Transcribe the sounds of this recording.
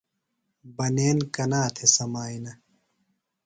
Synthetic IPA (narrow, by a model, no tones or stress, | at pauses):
bɐneːnkɐnaːt̪ʰesɐmaːinɐ